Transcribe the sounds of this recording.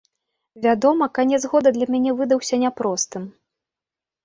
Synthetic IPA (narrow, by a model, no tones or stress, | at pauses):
vʲad̪ɔmɐkanʲɛzɣɔd̪ɐd̪lʲɐmʲanʲɛvɨd̪ɐwsʲɐnʲapɾɔst̪ɨm